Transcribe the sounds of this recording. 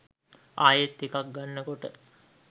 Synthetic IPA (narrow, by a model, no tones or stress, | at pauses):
aːjet̪ːikak̚ɡanːəkoʈə̰